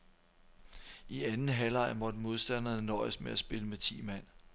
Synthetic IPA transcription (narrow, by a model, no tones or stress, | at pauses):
ʔiænn̩ɦælɑ̈ɪ̰mɒ̽d̥əmo̝ð̞ˠsd̥æn̰ɐnɒ̰ɪəsmeæsb̥e̝ləmet͡sʰḭːmæn̰